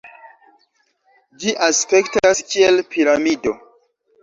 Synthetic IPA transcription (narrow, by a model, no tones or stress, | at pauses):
d͡ʒiʔaspe̞ktaskielpʰiɾamido̞